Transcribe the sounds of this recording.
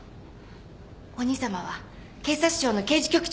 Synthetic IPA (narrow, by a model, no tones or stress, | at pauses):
o̞ɲ̟isamaβ̞a | ke̞ːsaɕi̥ʑo̞ːno̞ke̞ːd͡ʑi̥kʲo̞kɯ̟̥t͡ɕ